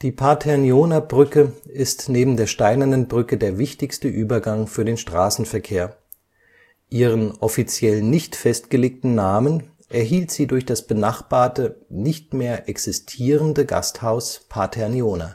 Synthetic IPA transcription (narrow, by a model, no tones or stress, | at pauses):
d̥iːpʰaːtʰɛɐnjoːnabʁʏkəɪstneːbm̩deːɐʃtaɪnɐnənbʁʏkədeːɐvɪçtɪçstəʔyːbɐɡaŋfyːɐdeːnʃtʁ̥aːsn̩fɛɐkʰeːɐ | ʔiːʁ̞ənʔɔfit͡sjɛlnɪçtfɛstɡ̥əleːk̚tn̩naːmən | ʔɛɐɦiːltz̥iːdʊɐçd̥asb̥ənaχb̥aːɐtənɪçtmeːɐʔɛksɪstʰiːʁəndəɡa̰sthaʊspʰatʰɛɐnjoːna̰